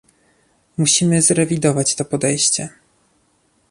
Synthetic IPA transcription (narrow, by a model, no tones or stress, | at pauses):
muɕimɘzɾɛvʲid̪ɔvat͡ɕt̪ɔpɔd̪ɛjɕt͡ɕɛ